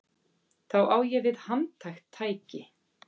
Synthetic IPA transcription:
θawʔaːwjɛvɪðhant̪ʰajxt̪ʰːaːjcɪ

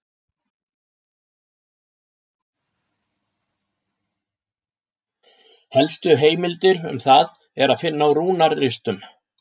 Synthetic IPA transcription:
hɛlst̪ʏɦeːjmɪlt̪ɪɾʏ̰mθað | ɛɾaðfɪnːawɾuːnaɾːɪst̪ʏm

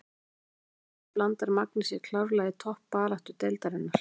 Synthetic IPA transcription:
plant̪aɾmak̚nɪsjɛkʰlawɾlaðɪt̪ʰɔhpːaːlaht̪ʏt̪ejlt̪aɾɪnːaɾ̥

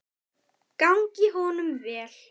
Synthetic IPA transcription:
kawŋcɪɦɔnʏmvɛːl̥

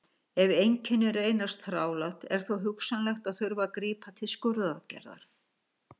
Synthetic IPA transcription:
ɛvejɲcʰɪnːʏɾeːjnast̪θɾaːwlat̪ɛ̰ɾ̥θowɦʏksanlɛxt̪aðθʏɾvakɾiːpʰat̪ʰɪlskʏɾðacɛ̰ɾða̰ɾ̥

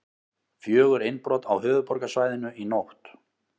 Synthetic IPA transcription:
fjœːɣʏɾejnpɾɔːt̪a̰whʏːvʏpɔɾkasvaːjðɪnʏinowht̪

